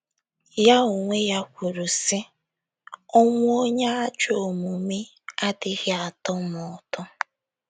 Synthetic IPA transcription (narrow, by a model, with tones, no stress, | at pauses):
ja˦o˨ŋʷe˦ja˦kʷu˨ɾu˨sɪ˦ | ɔ˦ŋʷʊ˦o˦ɲa˦a˦t͡ʃo˨mu˨mɪ˦ | a˦dɪ˨ɣɪ˦a˨tɔ˦mɔ˨tɔ˦